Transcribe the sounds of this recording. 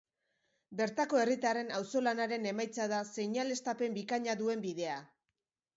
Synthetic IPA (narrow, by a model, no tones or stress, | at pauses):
be̞ɾt̪ako̞e̞rit̪are̞nawso̞lanaɾe̞ne̞majt͡saðase̞ɲale̞st̪ape̞mbikaɲaðue̞mbið̞e̞a